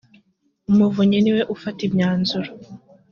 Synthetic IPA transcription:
umuvuɲeniwe̞ʔufatibɲaːnzuɾo

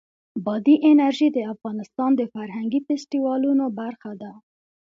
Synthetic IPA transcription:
bɑd̪iʔɪnaɾʒid̪əafɣɑnɪst̪ɑnd̪əfaɾɦaŋɡifɪsʈiwɑlunobaɾxad̪a

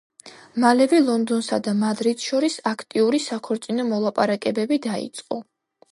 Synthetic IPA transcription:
malɛvɛlˠɔnd̪ɔnsad̪amad̪ɾid̪ʃɔɾisakʰt̪ʼiuɾisakʰɔɾt̪sʼinɔmɔlˠapʼaɾakʼɛbɛbid̪aḭt̪sʼqʼɔ

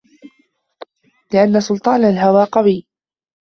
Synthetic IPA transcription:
lɪʔanːasʊlt̪ˤɑːnalɦawaːqɑbiː

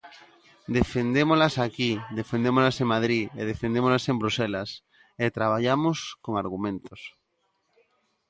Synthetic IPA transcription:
d̪efend̪emolasakiðefend̪emozlaseŋmað̞ɾieð̞efend̪emolasembɾuselas | et̪ɾaβ̞aʎamoskoŋaɾɣumẽnt̪os

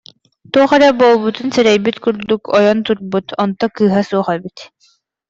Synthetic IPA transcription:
t̪uɔχɛɾɛbolˠbut̪unsɛɾɛjbit̪kyɾd̪ukʰɔjɔnt̪uɾbut̪ʰɔnt̪ɔkɯːɦasuɔχɛbit̪

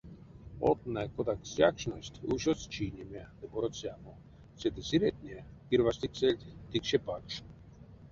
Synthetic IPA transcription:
o̰t̪nakod̪aksʲakʂnosʲt̪ʲuɕost͡ʃinʲemʲad̪ɨboɾot͡sʲjamo | sʲed̪ɨsʲiɾʲet̪̚ʲnʲekʲirvasʲt̪ikselʲt̪ʲt̪ikʃepakʂ

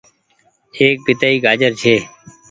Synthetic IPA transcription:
eːk̚bɪt̪aːiːɡʱaːd͡ʒəɾt͡ʃʰeː

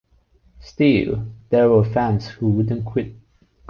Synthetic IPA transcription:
stilˠðɛwəfæ̃nshuwʊd̃ⁿn̩kʰw̥ɪt̚

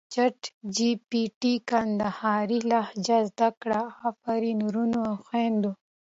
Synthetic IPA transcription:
t͡ʃaʈd͡ʒipiʈikand̪ahɑːɾilahd͡ʒazd̪akɽahafaɾinuɾunoaxwend̪o

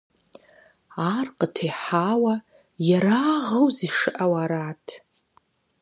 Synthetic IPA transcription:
arqʼətʰejħawa | jaɾaʁəwziʂɨʔawaɾatʰ

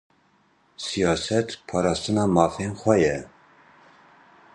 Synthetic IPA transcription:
sijɑːsɛt̪pʰɑːɾɑːst̪ɨnɑːmɑːfenxʷɛjɛ

